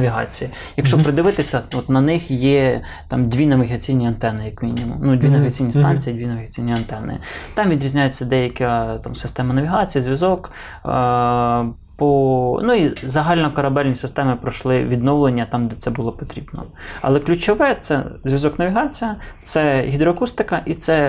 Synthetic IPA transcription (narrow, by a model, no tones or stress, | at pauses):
nɐʋʲiɦɑ̰t͡sʲiji | jɐkʃt͡ʃɔpɾɪd̪ɪʋɪt̪ɪsʲɐɔt̪nɐnɪxjɛ | t̪ɑmd̪ʲʋʲinɐʋʲɪɦɐt͡sʲijnʲiɐnt̪ɛnɪjɐkmʲinʲimʊ̰mnud̪ʲʋʲinɐʋʲɪɦɐt͡sʲijnʲist̪ɑnʲt͡sʲijid̪ʲʋʲinɐʋʲɪɦɐt͡sʲijnʲiɐnt̪ɛnɪ̰t̪ɑmʋʲid̪ɾʲizʲnʲajet͡sʲːɐd̪ɛjɐkʲɐt̪ɑmsɪ̥st̪ɛmɐnɐʋʲiɦɑt͡sʲijɐzʲʋʲjɐzɔk | pɔnuizɐɦɑlʲnɔkɐɾɐbɛlʲnʲisɪst̪ɛmɪpɾɔʃlˠɪʋʲid̪nɔwlˠenʲːɐt̪ɑmd̪ɛt̪sɛbʊlˠɔpɔt̪ɾʲibnɔ̰ | ɐ̰lˠɛklʲʊt͡ʃɔʋɛt̪sɛ̰zʲʋʲɐzɔknɐʋʲiɦɑt͡sʲijɐt̪sɛɦʲid̪ɾɔɐkust̪ɪkɐʔit̪sɛ